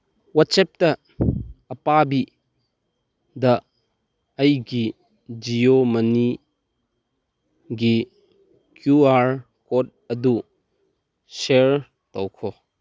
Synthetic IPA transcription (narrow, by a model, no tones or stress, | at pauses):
wasɛp̚tɐ | ɐpabi | dɐ | ɐjɡi | d͡ʒiomɐni | ɡi | kjuaɾ | kɔt̚ɐdu | seɾ | tɔwkʰɔ